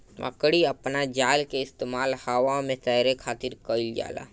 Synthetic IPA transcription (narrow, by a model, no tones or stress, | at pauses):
ʋa̰kəɽiəpnad͡ʒaːlkeɪst̪eːmaːlhaʋamẽt̪ɛːɾekʰaːt̪ɪɾkəɪld͡ʒa̰ːla̰ː